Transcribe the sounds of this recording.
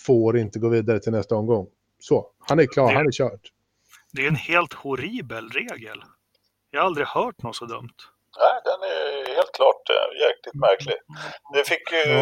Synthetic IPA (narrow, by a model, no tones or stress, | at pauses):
foːɾɪnt̪əɡoːviːd̪aɾət̪ʰɪlnɛst̪aɔmɡɔŋː | sɔhanæɾkʰlɑːhanæɾɕœːʈ | d̪ɛɛnheːlt̪hʊɾiːbəlɾeːɡə̰l | jɑhaɾald̪ɾɪhœːʈnɔsɔd̪œ̰mt̪ | næɪd̪ɛnæɾheːlt̪̚kʰlɑːʈjæɾkʰlɪt̪mæɾkʰlɪd̪ɛfɪkːjɵ